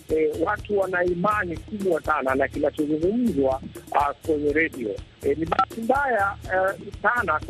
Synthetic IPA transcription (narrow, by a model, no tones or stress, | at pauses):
ɛwatuwanaimanikuɓwasananakinat͡ʃɔzuŋɡum̩zwakwɛɲɛɾɛɗiɔ̰ɛniɓatimbaja | sana